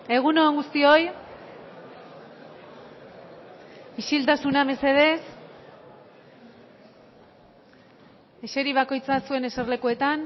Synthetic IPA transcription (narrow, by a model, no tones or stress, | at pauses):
e̞ɣ̞uno̞ːŋɡust̪io̞j | iʃilt̪asuname̞se̞ðe̞s | eʃe̞ɾiβ̞ako̞jt͡sasue̞ne̞serle̞kue̞t̪an